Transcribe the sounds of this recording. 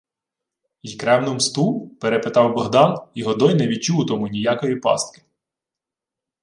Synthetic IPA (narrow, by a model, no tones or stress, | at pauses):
ijkɾɛwnɔmst̪upeɾepet̪ɑwbɔɦd̪ɑniɦɔd̪ɔjnɛʋʲit͡ʃuwt̪ɔmʊnʲijakɔjipɑ̰st̪̚kɪ̥